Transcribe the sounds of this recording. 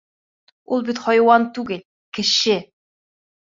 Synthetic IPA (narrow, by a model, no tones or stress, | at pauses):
ulˠbit̪χɒjwɑnt̪ʉɡɘlʲ | kɘ̆ʃɘ